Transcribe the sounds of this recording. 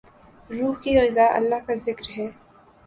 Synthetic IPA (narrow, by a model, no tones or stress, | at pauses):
ɾuːɦkiɣɪzaːʔɐ̰lːaɦkazɪkɾɦɛː